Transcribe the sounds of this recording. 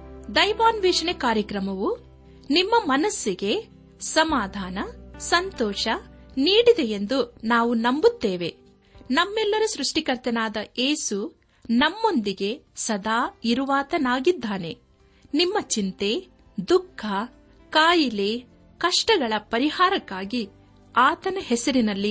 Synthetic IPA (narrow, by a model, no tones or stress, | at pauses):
d̪ɐjʋaːnʋɛːʂɐɳekaːɾjɐkɾɐmɐʋu | nimːɐmɐnɐsːiɡe̞ | sɐmaːd̪ʱaːnɐsɐnt̪ɔːʃɐniːɽid̪e̞jend̪unaːʋunɐmbut̪ːeːʋe̞ | nɐmːɛlːɐɾusɾuʂʈikɐɾt̪ɐnaːd̪ɐeːsu | nɐmːo̞nd̪iɡe̞sɐd̪ʱaːiɾuʋaːt̪ɐnaːɡid̪ʱːaːne̞ | nimːɐt͡ʃint̪e | d̪ukʰːɐ | kaːjileː | kɐʂʈɐɡɐɭɐpɐɾihaːɾɐkːaːɡi | aːt̪ɐnɐɦɛsɐɾinɐlːi